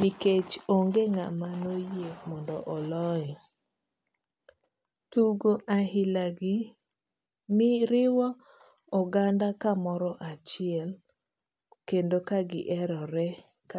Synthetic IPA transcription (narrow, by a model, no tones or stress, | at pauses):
niket͡ʃoŋɡeŋa̰manojemɔndɔʔɔlɔɛ | tuɡoʔaɦɪlaɡɪ | mɪɾɪwɔ | ɔɡandakamɔɾɔʔat͡ʃɪɛl | kendokaɡɪʔɛɾɔɾɛ | k